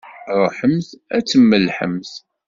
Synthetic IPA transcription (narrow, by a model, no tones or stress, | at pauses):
ʁˤħəmθæt͡sːəmːəlħə̰mθ